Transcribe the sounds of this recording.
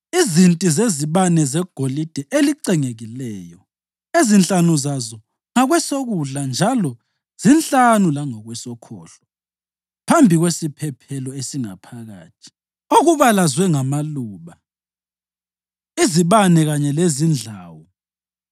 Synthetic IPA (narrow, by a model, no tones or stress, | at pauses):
izintʼizeziβanɛzɛɡ̥ʱolid̥ʱɛʔeliǀɛŋeɣilɛːjɔ | ezint͡ɬʼanuzazɔ | ŋaɣwɛsoɣuɮand͡ʒʱalɔ | z̥int͡ɬʼanulaŋɔɣwɛsɔkʰɔ̰ːɬɔ̥ | pʰambʱiɣwesipʰɛpʰɛlɔesiŋa̰pʰaɣa̰ːtʰi̥ | oɣuβalazwɛŋamaluːβa | iziβanɛɣaɲɛlezind͡ɮʱaːwɔ